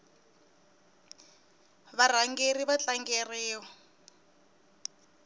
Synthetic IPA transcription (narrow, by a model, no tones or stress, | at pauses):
βar̤aŋɡeriβat͡ɬaŋɡerɛːwɔ